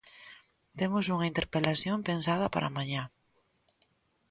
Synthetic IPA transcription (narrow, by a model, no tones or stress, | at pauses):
t̪emʊsuŋɐint̪eɾpelaθjompensað̞ɐpa̰ɾa̰maɲa